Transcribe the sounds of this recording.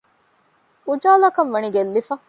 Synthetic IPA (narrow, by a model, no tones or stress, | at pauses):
ud͡ʒaːlɐkɐnʋɐniɡelːifɐ